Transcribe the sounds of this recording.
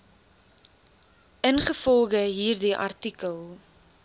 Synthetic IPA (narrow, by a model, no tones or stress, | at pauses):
ʔənχəfɔlˠɡəɦiːrdiʔɐ̰rtikəlˠ